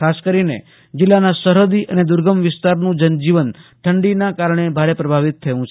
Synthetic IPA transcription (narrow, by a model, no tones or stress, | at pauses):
kʰaskəɾinḛ | d͡ʒɪlːanasəɾod̪iʔəned̪ʊɾɡəmʋɪst̪aɾnũd͡ʒənd͡ʒiʋənʈ̪ʰəɳɖinakaɾɳ̃ebʱaɾepɾəbʱaʋɪt̪ʰːəjũt͡ʃʰ